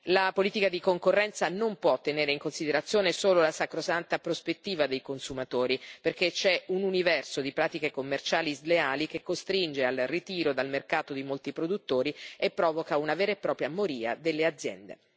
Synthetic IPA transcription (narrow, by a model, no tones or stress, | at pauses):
lapoliːt̪ikad̪ikoŋkorːɛnt̪sanompwɔt̪ːeneːɾeiŋkonsid̪eɾat̪sːjoːnesoːlolasakɾosant̪apɾospet̪ːiːvad̪ejkonsumat̪oːɾiperk̟et͡ʃɛununivɛrsod̪ipɾaːt̪ikekomːert͡ʃaːlizleaːlikekːost̪ɾind͡ʒealrit̪iːɾod̪almerkaːt̪od̪imolt̪ipɾod̪ut̪ːoːɾiepːɾɔːvokaunaveːɾepːɾɔːpɾjamoɾiːa̰d̪elːead̪zːjɛ̰nd̪ḛ